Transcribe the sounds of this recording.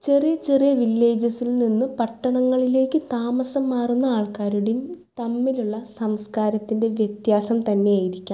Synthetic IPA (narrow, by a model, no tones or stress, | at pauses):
t͡ɕe̞rijɐt͡ɕe̞rijɐʋilːe̞ːd͡ʑɐsilninːɨpɐʈːɐɳɐŋːɐɭile̞ːkːɨt̪aːmɐsɐmːaːrunːɐaːɭkaːɾuɽejumt̪ɐmːiluɭːɐsɐmskaːɾɐt̪ːinde̞ʋjɐt̪jaːsɐmt̪ɐnːe̞jaːjiɾikʲːa